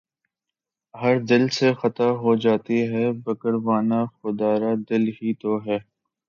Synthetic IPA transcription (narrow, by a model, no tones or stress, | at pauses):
ɦɐɾd̪ɪlsexɐt̪aɦod͡ʒaːt̪iɦɛːbɐkəɾʋaːnaxʊd̪aːɾad̪ɪlɦiːt̪oɦɛː